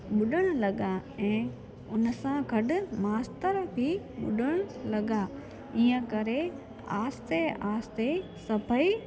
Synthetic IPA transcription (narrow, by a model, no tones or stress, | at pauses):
ɓʊɗəɽ̃lɐɠaɛ̃ː | ʊnəsãɡʱɐɗʊmaːst̪əɾbʱi | ɓʊ̰ɗəɽ̃lɐɠa | iːə̃kɐɾe | aːst̪eʔaːst̪esɐbəi